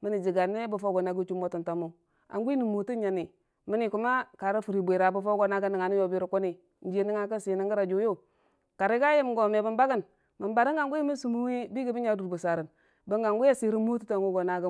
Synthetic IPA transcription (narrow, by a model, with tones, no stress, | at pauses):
mi˨˦ni˨d͡ʒi˨ɡa˨ni˦bu˨fo˦ɡo˨na˨ɡu˦t͡ʃu˦m˦o˦tu˨nta˨mu˦ | a̰˨ŋɡʷi˦ni˨mo˨ti˦ɲa˨ni˨ | mi˦ni˨ku˨ma˦ka˨ɾi˦fu˨ɾi˨bʷe˨ɾa˨bu˨fo˦ɡo˨na˦ɡa˦ni˨ŋa˨ni˦jo˨bi˦ɾi˨ku˦ni˨ | n˦d͡ʒe˦ni˦ŋa˨kə˦si˨˦ni˦ŋɡi˦ɾa˨d͡ʒu˦˨jo˦˨ | ka˨ɾi˦ɡa˦ji˦m˨ɡo˨me˨bə˦mba˦ɡə˦n | mə˨mba˨ɾi˦ŋɡa˨ŋɡʷu˦i˦mi˦su˨mu˦wi˦bi˦ɡi˦bi˦ɲa˦du˨ɾbu˨sa˨ɾə˨n | bə˦ŋɡa˨ŋɡu˦a˦si˨ɾi˦mu˦tu˦ta˨ŋɡu˦ɡo˨na˦ɡa˦